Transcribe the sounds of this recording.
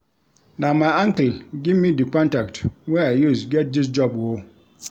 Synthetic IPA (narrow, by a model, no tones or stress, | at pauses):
nãmããŋkəɡɪmĩdikʰɔ̃ntaktʰwɛajusɡɛt̚dɪs̬d͡ʒɔbwɔ